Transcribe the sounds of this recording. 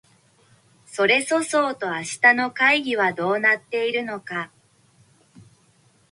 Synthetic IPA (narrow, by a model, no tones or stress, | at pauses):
so̞ɾe̞so̞so̞ːt̪o̞aɕi̥t̪ano̞kaiɡʲiβad̪o̞ːnat̪ːe̞iɾɯ̟no̞ka